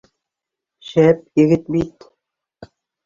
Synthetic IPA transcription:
ʃæp̚jɘ̆ɣɘt̪̚bit̪

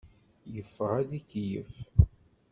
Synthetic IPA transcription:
jəfːəʁæd̪ikjəf

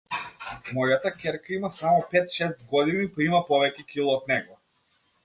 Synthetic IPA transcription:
mɔjat̪akʲɛɾkaimasamɔpɛt̪ʃɛst̪̚ɡɔd̪inipimapɔvɛcɛkʲilˠɔːt̪̚nɛɡɔ

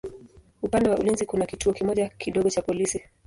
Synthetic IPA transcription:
upandɛwaulinzikunakituɔkimɔʄakiɗɔɡɔt͡ʃapɔlisi

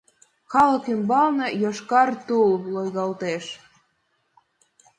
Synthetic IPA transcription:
xɑlə̆kymbɑlnɤ̆joʃkɑrt̪ulːojɣɑlt̪eʃ

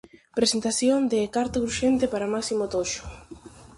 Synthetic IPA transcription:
pɾesent̪aθjond̪ekaɾt̪ʊɣɾuʃent̪ɪpaɾamaksimot̪oʃʊ̥

